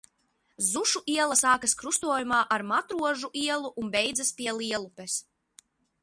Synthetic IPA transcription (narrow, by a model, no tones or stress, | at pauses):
zuʃuʔiɛlˠɐsaːkaskɾust̪uɔjumaːʔaɾmat̪ɾuɔʒuʔiɛlˠuʔunbɛjd̪zaspiɛlˠiɛlˠupes